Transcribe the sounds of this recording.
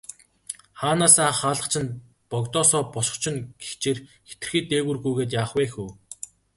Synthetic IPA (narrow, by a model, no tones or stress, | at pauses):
χaːnaːsaːχaːɮə̆qt͡ɕʰɪ̆n | pɔkt̪ɔːsɔːpɔʃɞ̆χt͡ɕʰɪ̆nɡext͡ɕeːrxe̥t̪ɘ̆r̥xiːt̪eːɣɘ̆rɣujɣeːt̪̬jaːχweːxuː